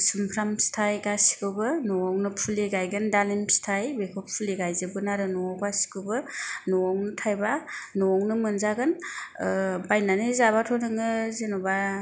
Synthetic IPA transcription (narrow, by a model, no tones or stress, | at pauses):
sɯmpʰɾamstʰajɡasi̥kʰɯbɯnɔɔŋnɯpʰuliɡajɡɯndalimstʰajbekʰɔpʰuliɡajzɯbɯnaɾɯnɔɔɡasi̥kɯbɯnɔɔŋnɯtʰajbanɔɔŋnɯmɯnzaɡɯn | bajnanɯzaβatʰɔnɯŋɯzenɔba